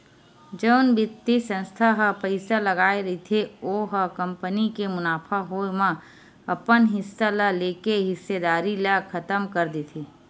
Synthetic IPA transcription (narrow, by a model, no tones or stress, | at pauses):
d͡ʒəʊnbʱɪt̪ːisə̃nst̪ʰaɦpəɪsalɐɡaːeɾɐit̪ʰeoːɦəkɐ̃mpənikemʊnaːpʰaɦoemə̃ | ɐpənɦɪsːalaleːkeɦɪsːed̪aːɾilakʰɐt̪əmkɐɾd̪it̪ʰeː